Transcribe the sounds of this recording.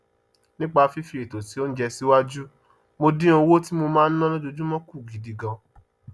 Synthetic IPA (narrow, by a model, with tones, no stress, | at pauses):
nĩ˦k͡pa˧fi˦fi˧ɾe˨to˨ti˨˦o˦n̩˦d͡ʒɛ˧si˦wa˦d͡ʒu˦ | mo˧dĩ˦o˧wo˦ti˦mo˧mãː˦˧n̩˦nã˦lõ˦d͡ʒo˧d͡ʒũ˦mɔ̃˦ku˦˨ɡi˨di˧ɡɔ̃˧